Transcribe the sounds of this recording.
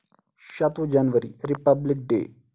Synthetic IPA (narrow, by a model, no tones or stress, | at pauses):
ʃət̪õd͡ʒənʋəɾḭɾɪpəblɪk̚ɖḛː